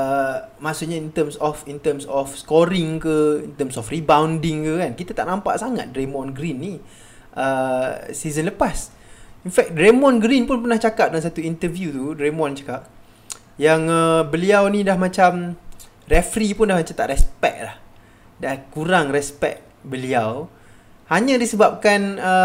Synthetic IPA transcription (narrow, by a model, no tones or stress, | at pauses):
əmaʔsuʔɲaint̪əmsɔfint̪əmsɔfskɔɾɪŋkəint̪əmsɔfribawndɪŋkəkankit̪at̪a̰ʔnãmpa̰ʔsaŋa̰t̪̚ɾemɔ̃nɡɾinːi | ʔəsizənləpas | infɛk̚dɾemɔ̃nɡɾinpʊnpərnaht͡ʃakap̚daaŋs̬at̪uint̪əvjut̪uɾemɔ̃nt͡ʃḁkap̚ | jaŋəbəliawnĩdahmãt͡ʃam | rɛfɾipʊndahmat͡ʃamt̪a̰ʔɾɛspɛ̰k̚lah | dakuɾaŋrɛspɛ̰k̚bəliaw | haɲə̃disəbap̚kanə